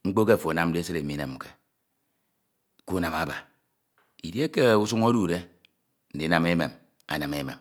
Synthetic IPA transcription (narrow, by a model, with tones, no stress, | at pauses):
ŋ͡m̩˦k͡po˦ke˦˨fo˨a˨na˦m̩˦de˦e˦se˦ɾe˨mi˨˦ne˨m̩˨ke˨ | ku˦na˨ma˨ba˨ | i˨dje˦ke˦u˦s̬u˦ŋo˦du˨ɾe˦ | n̩˨di˨˦na˨me˦mḛ˨m | a̰˨na˨me˦mḛ˨m